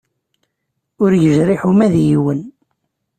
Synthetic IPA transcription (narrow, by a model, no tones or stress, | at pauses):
ʊɾjəʒɾiħumæðjiwən